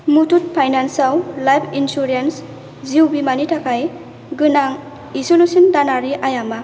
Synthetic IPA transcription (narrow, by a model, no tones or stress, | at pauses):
mutut̚pʰajnansawlajpʰinsuɾens | ziwbimanitʰakʰaj | ɡɯnaŋ | isulusindanaɾiʔajama